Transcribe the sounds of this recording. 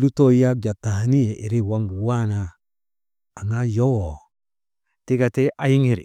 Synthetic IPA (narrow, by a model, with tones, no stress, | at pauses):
lu˦to˦ja˦k̚d͡ʒa˨ta˨ha˨ni˦e˨ʔi˨ɾi˦wa˦ŋɡu˨wa˦na˨ | ŋa˦jo˦wo˨ | ti˦ka˨te˦ʔa˨ji˦ŋi˨ɾḭ˨